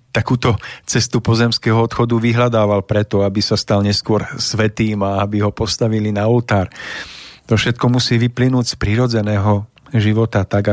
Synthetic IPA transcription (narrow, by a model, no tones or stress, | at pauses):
t̪akuːt̪ɔt͡sɛst̪upɔzɛmskɛːɦɔɔt̪xɔd̪uʋiɦʎad̪aːʋalpɾɛt̪ɔabisast̪alɲɛskʊɔɾsʋɛt̪iːmaabiɦɔpɔst̪aʋilinault̪aːɾ | t̪ɔfʃɛt̪kɔmusiːʋiplinuːɟspɾiɾɔd͡zɛnɛːɦɔ | ʒiʋɔt̪at̪aɡa